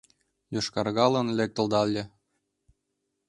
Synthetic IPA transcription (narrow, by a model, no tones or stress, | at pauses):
joʃkɑrɣɑlɤ̆nlʲek̚t̪ɤ̆lˠd̪ɑlʲːɘ̆